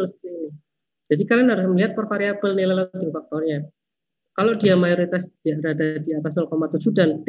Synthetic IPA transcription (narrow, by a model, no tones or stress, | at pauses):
st̪ii | d͡ʒadikalanɦaɾʊsməliɦat̪̚pərfaɾiapəlnilaladinfak̚t̪ɔrɲa | kaloʔdiamajoɾit̪asd̥iaɾadadiat̪asnɔlkomat̪ud͡ʒudant̪